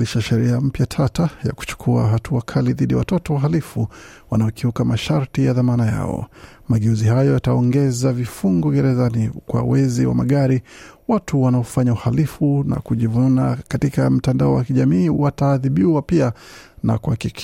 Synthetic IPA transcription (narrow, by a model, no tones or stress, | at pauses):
iʃaʃɛɾiam̩pjatʰatajaku̥t͡ʃu̥kʰua̰ɦatʰuakʰaliðiɗiawatɔtɔwaɦalifu | wanaɔkiukamaʃaɾtijaðamanaja̰ɔ̰ | maɡɛuzihajɔjataɔŋɡɛzavifuŋɡɔɡɛɾɛzanikwa̰wɛziwa̰maɠaɾiwatuwanaɔfaɲauhalifuna̰kuʄivunakatikam̩tandaɔwakiʄamiːwataðiɓiwapiana̰kuhakik